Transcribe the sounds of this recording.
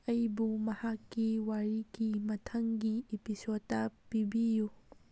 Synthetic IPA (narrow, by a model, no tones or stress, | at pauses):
ɐjbumɐhakːiwaɾikimɐtʰɐŋɡiepisoːɐpibiju